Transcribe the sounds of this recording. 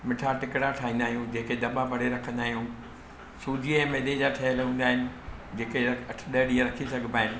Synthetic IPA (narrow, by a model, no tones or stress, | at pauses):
mɪʈʰaʈɪkɽaʈʰaːɦĩnd̪aːɦijũd͡ʑeːked̪ɐɓãpɐɽeɾɐkʰə̃nd̪aːɦijũ | suːd͡ʑʱiɛ̃meːd̪ed͡ʑaʈʰɐɦəlũːnd̪aːɦɪnɪ̆ | d͡ʑeːkeɐʈʰɗɐɦɽiãɾɐkʰisɐɡʱəbaːɦɪnɪ̆